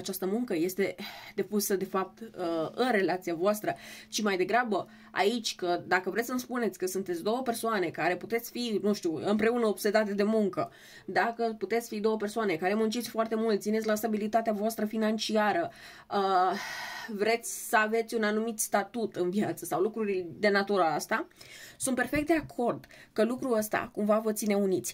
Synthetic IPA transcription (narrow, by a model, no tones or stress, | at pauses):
at͡ʃast̪əmuŋkəje̞st̪e̞d̪e̞pusəd̪e̞fap̚t̪əɨnre̞lat̪siavoast̪ɾət͡ʃimajd̪e̞ɡɾabə | a̰it͡ʃʲkəd̪akəvɾesəmspune̞t̪sʲkəsunt̪et̪sʲd̪o̞wəpe̞rsoane̞kaɾe̞put̪et̪sʲfinuʃt̪uɨmpɾe̞unəobse̞d̪at̪̬ed̪e̞muŋkə | d̪akəput̪e̞t̪sʲfid̪o̞wəpe̞rsoane̞kaɾe̞munt͡ʃit̪sʲfoart̪e̞mult̪t̪sinesʲlast̪abilit̪at̪eavoast̪ɾəfinant͡ʃiaɾə | ə | vɾe̞t̪sʲsəave̞t̪sʲunanumit̪st̪at̪ut̪ɨnviat̪səsawlukɾuɾid̪e̞nat̪uɾaast̪asunt̪̚pe̞rfe̞kt̪d̪eakʰo̞rd̪kəlukɾuəst̪a̰kumvavət̪sine̞unit̪sʲ